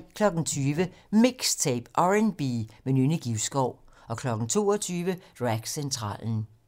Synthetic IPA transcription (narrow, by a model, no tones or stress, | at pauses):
kʰlɒ̽ɡ̥n̩t͡sʰyːʋəmiɡ̥st͡sʰeɪb̥ʔɒʁenb̥imenyniɡ̥iʊsɡ̥ɒʊ̰ | ɒ̽kʰlɒ̽ɡ̥n̩t͡sʰo̝̰ːɒt͡sʰyːʋəʁæɡ̥sent͡sʰʁɑ̰̈ːln̩